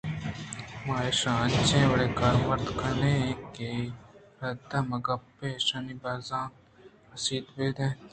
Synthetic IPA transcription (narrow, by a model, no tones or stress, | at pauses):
maːeʃãːt͡ʃẽːwɐɽeːkaːɾmɐɾd̪kɐnẽke | ɾɐd̪ãmɐɡɐpeːʃaːniːbaːzãː | ɐsiːd̪beːd̪ẽː